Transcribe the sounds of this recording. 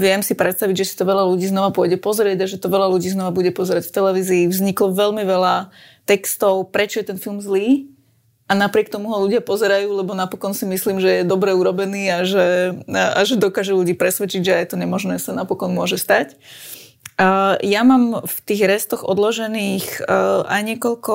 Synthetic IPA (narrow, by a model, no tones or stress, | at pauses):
ʋɪɛmsipɾɛt̪st̪aʋiɟʒɛsi̥t̪ɔʋɛlaluɟiːznɔʋapʊɔɟɛpɔzɛɾɪɛɟaʒɛt̪ɔʋɛlaluɟiːznɔʋabuɟɛpɔzɛɾacft̪ɛlɛʋiːziːvzɲiklɔʋɛlmiʋɛla | t̪ɛkst̪ɔʊpɾɛt͡ʃɔjɛt̪ɛnfilmzliː | anapɾɪɛk̚t̪ɔmuɦɔluɟɪapɔzɛɾajuːlɛbɔnapɔkɔnsimisliːmʒɛjɛd̪ɔbɾɛuɾɔbɛniːaʒɛa̰ʒɛd̪ɔkaʒɛluɟiːpɾɛsʋɛt͡ʃiɟʒɛjɛt̪ɔɲɛmɔʒnɛːsanapɔkɔnmʊɔʒɛst̪ac | jamaːmft̪iːɣɾɛst̪ɔɣɔ̰d̪lɔʒɛniːxʔa̰jɲɪɛkɔlkɔ